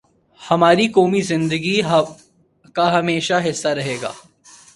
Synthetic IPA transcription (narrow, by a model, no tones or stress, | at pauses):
hɐmaːɾikoːmizɪ̃nd̪əɡiɦ | kaɦɐmeːʃaɦɪsːaɾɐɦeːɡa̰ː